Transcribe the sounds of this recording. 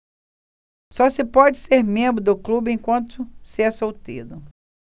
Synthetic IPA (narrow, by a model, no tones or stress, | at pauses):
sɔsɪpɔd͡ʒɪseɾmẽmbɾʊd̪ʊklubɪẽj̃kwɐ̃nt̪ʊsɪasowt̪ḭd̪ʊ